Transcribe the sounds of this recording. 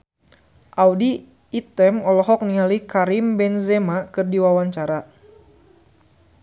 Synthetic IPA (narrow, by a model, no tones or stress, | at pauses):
ʔawdiː | t̪ɛmɔlɔɦɔk̚niɦalikaɾimbɛnzɛmakɨrdiwawaɲt͡ʃaɾa